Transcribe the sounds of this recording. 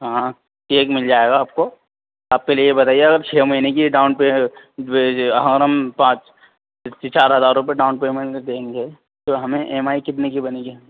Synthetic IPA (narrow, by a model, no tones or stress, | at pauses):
ɦãː | teːkmɪld͡ʒaːeːɡaːp̚ko | aːp̚keliejebɐt̪aːieɐɡəɾt͡ʃʰeːmɐɦinekiɖaːʊnpe | ɦə̃ɾəmpãːt͡ʃ | it͡ʃaːɾɦɐzaːɾʊ̃p̬eɖaːʊnpeːmẽɳd̪ẽːŋɡe | t̪oɦɐmẽʔemaːikɪt̪̬nekibɐneɡiɦ